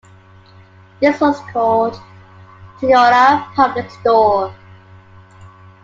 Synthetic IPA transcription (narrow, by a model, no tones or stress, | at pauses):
ðɪswɔskʰɔld | tʰiɔɹəpʰʌblɪkstɔ